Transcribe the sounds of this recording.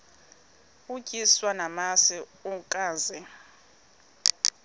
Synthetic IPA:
ucʼiswanamasiukʼaːnzɛ

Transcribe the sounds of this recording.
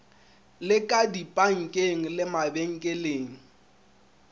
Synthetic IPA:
lɪkʼadipʼaŋ̩kʼeŋ̩lɪmabeŋ̩kʼeleːŋ̩

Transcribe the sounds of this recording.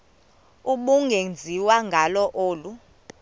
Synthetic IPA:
uɓuŋɡʱend͡zʱiwaŋɡʱalɔʔoːlu

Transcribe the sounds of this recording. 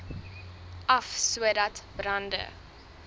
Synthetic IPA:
ʔɐfsuədɐtbrɐndə̰

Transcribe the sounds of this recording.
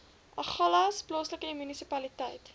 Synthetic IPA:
ʔɐχɐlɐsplɑːsləkəimynisipɐlitəjt

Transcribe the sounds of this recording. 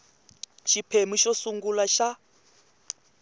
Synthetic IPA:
ʃipʰemiʃɔsuŋɡulaʃa

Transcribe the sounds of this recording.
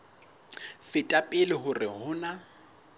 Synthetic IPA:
fɪtʼapʼɪlɪɦʊrɪhʊːna

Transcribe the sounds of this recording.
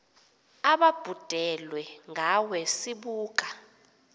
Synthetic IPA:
aɓab̥ʱud̥ʱɛlwɛŋawɛsiɓuːk̬ʼa

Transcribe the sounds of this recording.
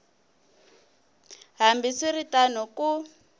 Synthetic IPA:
ɦambisiritanɔku

